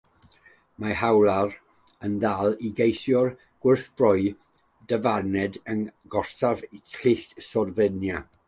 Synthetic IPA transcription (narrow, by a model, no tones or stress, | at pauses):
mahawlˠar | ənðalˠiɡejθjɔr | ɡ̥wɪrθb̥rɔɨ | dəvarnɛdənɡɔrsavɬɪɬsɔrvənja